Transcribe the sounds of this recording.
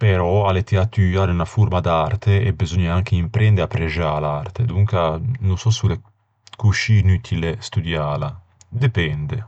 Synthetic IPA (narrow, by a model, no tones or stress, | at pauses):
peɾɔalet̪iat̪ːyjaːɾeunafuɾmad̪art̪ʰeɛbizɔɲːaaŋk̟eimpɾʔɛnd̪eapːɾed͡ʒalart̪ed̪uŋkanunsɔsule | kut͡ʃinyt̪ʰilest̪ud̪jaːla | d̪epɛnd̪e